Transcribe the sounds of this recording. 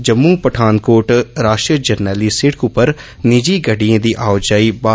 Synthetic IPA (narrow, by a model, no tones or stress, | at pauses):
d͡ʒəmːupəʈʰaːnkoːʈɾaːʃʈɾiəd͡ʒɐɾnəlisɪʈkʊpːəɾ | nɪd͡ʒiːɡɐɖijẽːd̪iːʔaːʊd͡ʒaːibaː